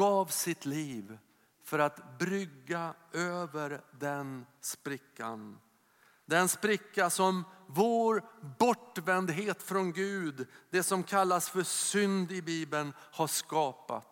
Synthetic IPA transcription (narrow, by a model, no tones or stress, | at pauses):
ɡɑːvsɪt̪ʰliːv | fœɾat̪bɾʏɡːaøːvəɾd̪ɛnspɾɪkːa̰n | d̪ɛnspɾɪkːasɔmvoːɾbɔʈːvɛnd̪ɦeːt̪fɾɔnɡʉ̟ːd̪d̪ɛsɔmkʰalːasfœsʏnd̪ɪbiːbənhaʂkɑːpa̰t̪